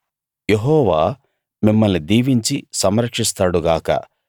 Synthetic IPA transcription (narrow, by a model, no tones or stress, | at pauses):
jeɦɔːʋaː | mimːɐlnid̪iːʋiɲt͡ʃisɐmɾɐkʂist̪aːɽuɡaːkɐ̰